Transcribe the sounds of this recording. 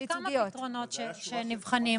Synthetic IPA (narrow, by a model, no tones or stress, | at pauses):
itmjot̪ʁonot̪ʃeʃenivχani